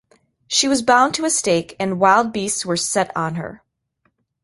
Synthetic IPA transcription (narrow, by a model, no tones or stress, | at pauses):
ʃiwʌzbãʊ̃ntʰɨɨsteɪkɨ̃nwaɪlˠd̚bistswə˞sɛɾn̩ə̰˞